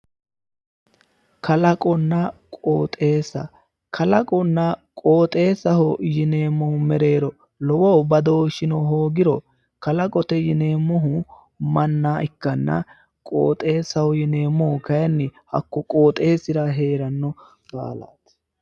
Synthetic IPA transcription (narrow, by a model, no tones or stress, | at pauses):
kɐlɐkʼɔnːɐkʼoːt̪ʼe̞ːsɐ | kʰɐlɐkʼɔnːɐkʼo̞ːt̪ʼe̞ːsɐhɔjɪneːmːɔhʊmɛɾe̞ːɾɔ | lɔwowbɐd̪oːʃɪnɔɦoːɡɪɾɔ | kɐlɐkʼɔt̪ɛjɪne̞ːmːɔɦʊ | mɐnːaːʔɪkːɐnːɐ̰ | kʼo̰ːt̪ʼe̞ːsɐhɔjɪne̞ːmːɔhʊkɐjɐnːɪhɐ̰kːɔkʼo̞ːt̪ʼe̞ːsɪɾɐɦe̞ːɾɐnːɔ | kʼa̰ːla̰ːt̪